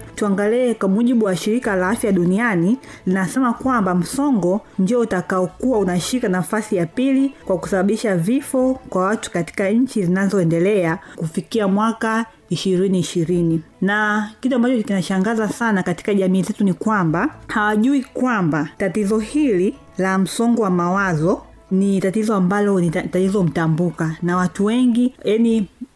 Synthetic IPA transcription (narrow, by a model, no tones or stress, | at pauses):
tuaŋɡaliɛkwamuʄiɓuwaʃiɾikalaafjaɗunianilinasɛmakwambam̩sɔŋɡɔnd͡ʒiɔutakaɔkuaunaʃikanafasijapilikwaku̥saɓaɓiʃavifɔkwawatu̥kati̥kaɲ̩t͡ʃizinazɔɛndɛlɛakufikiamwaka | iʃiɾiniːʃiɾininakituambat͡ʃɔkinaʃaŋɡazasanakati̥kaʄamiːzɛtunikwambahawaʄuikwambatatizɔhili | lam̩sɔŋɡɔwamawazɔ | nitatizɔambalɔnitatizɔm̩tambukanawatuwɛŋɡijani